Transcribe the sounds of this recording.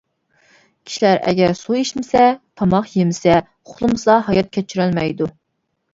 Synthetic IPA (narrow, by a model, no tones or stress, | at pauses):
kʲʰi̥ʃilæɾʔɛ̰ɡʲɛɾsuiʃmɪsɛt̪ʰɑmɑqjemɪsɛ | ʊχlˠɨmsɑɦɑjɑt̪̚kʲʰɛt͡ʃʰyɾɛlmɛjd̪u